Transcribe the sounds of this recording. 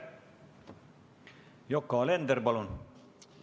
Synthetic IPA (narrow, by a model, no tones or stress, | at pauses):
jokːɑlend̪əɾbɑlun